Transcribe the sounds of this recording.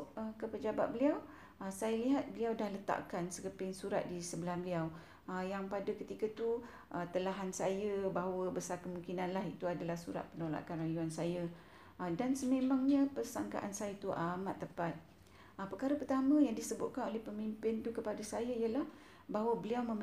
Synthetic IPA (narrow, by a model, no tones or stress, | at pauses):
ʔəkəpəd͡ʒaba̰t̪̚bəliaw | əsajaliɦat̪̚bəliawdahlət̪a̰ʔkansəkəpɪŋsuɾa̰t̪̚disəbəlambəliaw | əjaŋpadakət̪ikət̪u | ʔət̪əlaɦansajəbaɦawəbəsarkəmũŋkinanlaɦit̪uadalahsṵɾa̰t̪̚pənola̰kanrajuansajə | ʔədansəmẽmãŋɲəpərsaŋka̰ʔansajət̪uʔamat̪ːəpat̪̚ | ʔəpərkaɾəpərt̪amə̃jaŋdisəbʊt̪̚kanolɛhpəmimpɪnt̪ukəpadasajəijəlah | baɦwəbəliawmə̃m